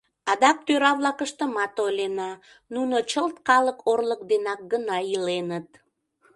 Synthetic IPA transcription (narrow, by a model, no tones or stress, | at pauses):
ɑd̪ɑk̚t̪øɾɑβlɑkəʃt̪əmɑt̪olenɑ | nunot͡ɕəlt̪kɑləkʰorlək̚d̪enɑk̚ɡənɑilenət̪̚